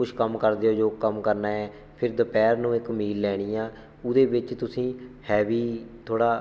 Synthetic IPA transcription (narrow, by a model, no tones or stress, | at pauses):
ʊʃʰkəmkəɾd̪eːoːd͡ʒoːkəmkəɾnaːɛː | pʰɪɾd̪əpɛːɾnũːɪkmiːlːɛːɽ̃iːjãː | ʊd̪eːbɪt͡ʃt̪ʊsĩːhɛːʋiːt̪ʰoːɽaː